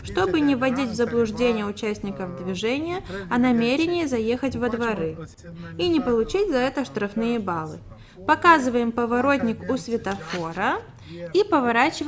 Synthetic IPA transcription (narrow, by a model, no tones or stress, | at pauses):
ʂt̪o̞bɨnʲɪvɐdʲitʲvzəblˠʊʐdʲenʲɪjəʊt͡ɕæsʲtʲnʲɪkəvd̪vʲɪʐɛnʲɪjəɐnɐmʲeɾʲɪnʲɪjːzɐje̞xətʲvəd̪vɐɾɨ | inʲɪpəlˠʊt͡ɕitʲzɐɛt̪əʂt̪ɾɐfnɨjəbalˠɨ | pɐkazɨvəjɪmpəvɐɾo̞tʲnʲɪkʊsvʲɪt̪ɐfo̞ɾə | ipəvɐɾat͡ɕɪv